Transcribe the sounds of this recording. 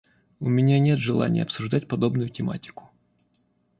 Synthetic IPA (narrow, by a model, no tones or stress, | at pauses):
ʊmʲɪnʲanʲe̞t̪ʐɨlˠa̰nʲɪ̰jəɐpsʊʐd̪atʲpɐd̪o̞bnʊjʊtʲɪma̰tʲɪ̥kʊ̥